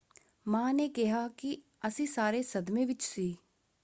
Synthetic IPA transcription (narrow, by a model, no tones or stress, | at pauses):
mãːneːkɪɦaːki | əsĩːsaːɾeːsəd̪mẽːʋɪt͡ʃsiː